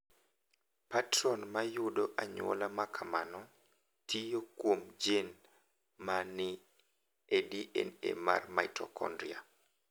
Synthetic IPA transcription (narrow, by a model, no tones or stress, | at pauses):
patɾɔnmajʊdɔʔaɲwo̰lamakʰamanɔ | tʰijokwomd͡ʒen | manɪ | ediʔɛ̰nḛma̰rmaitɔ̰kɔ̰ndɾia